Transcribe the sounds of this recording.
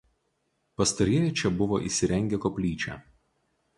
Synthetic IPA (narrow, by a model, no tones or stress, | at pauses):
pɐst̪ɐɾʲiɛjɛt͡ʃʲɛbʊʋoːʔḭːˑsʲɪɾʲɛŋʲɡʲɛkoːpʲlʲiːt͡ʃʲɛ̰ː